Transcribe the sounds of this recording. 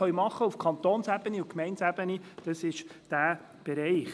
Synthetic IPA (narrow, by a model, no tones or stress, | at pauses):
œɥmɑχːəufkʰɑnt̪oːnsæb̥əniukmɛɪntsæbənid̥ɑsɪʃd̥æː | b̥ɛɾɛɪχ